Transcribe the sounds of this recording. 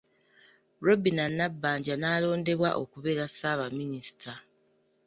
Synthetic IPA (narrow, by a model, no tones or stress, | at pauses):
ɾo̞binanːabːaːɲɟanaːlo̞ːnde̞βwaʔo̞̰kuβe̞ɾasaːβaminisi̥tʰa